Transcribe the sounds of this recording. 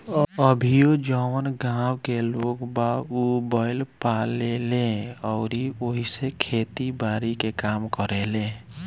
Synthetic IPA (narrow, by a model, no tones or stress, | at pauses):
əbʱijod͡ʒəwənɡãwkelokbaubaɪlpalelẽɔʊɾioɦisekʰet̪ibaɾikekamkɔɾelẽ